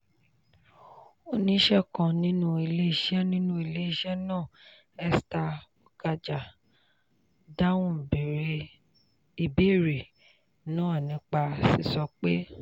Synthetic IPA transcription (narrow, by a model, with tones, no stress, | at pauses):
o˧˦nĩ˧˦ʃɛ˦kã˧nĩ˦nũ˦i˧le˦i˧˨ʃɛ˦nĩ˦nũ˦i˨le˦i˦ʃɛ˦nãː˦˨ | ɛ˧sta˧o˨ɡa˧d͡ʒa˨ | da˦wũ˦˨be˨ɾe˧ | i˨be˦˨ɾe˨ | nãː˦˨nĩ˨˧˦k͡pa˧si˨sɔ˧k͡pe˦